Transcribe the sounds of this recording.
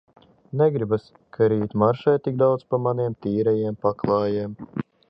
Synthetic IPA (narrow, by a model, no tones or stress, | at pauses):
nɛɡɾibas | kʰaɾiːt̪ʲmaɾʃajt̪iɡ̚d̪awt̪spamaniɛmt̪iːɾɛjeɛmpaklˠɑːjeːm